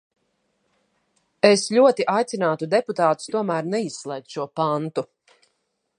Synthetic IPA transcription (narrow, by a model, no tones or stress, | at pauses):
esʎʲuɔt̪iʔajt̪sʲinaːt̪ud̪ɛput̪aːt̪u̥st̪uɔmæːɾnɛisːlˠɛjk̪̚ʃuɔpant̪u